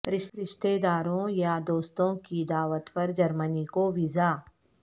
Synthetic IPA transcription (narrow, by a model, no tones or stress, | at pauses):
ɾɪʃɾɪʃt̪eːd̪aːɾõjad̪oːst̪õkid̪aːʋət̪pɐɾd͡ʒɐɾmənikoʋɪzaː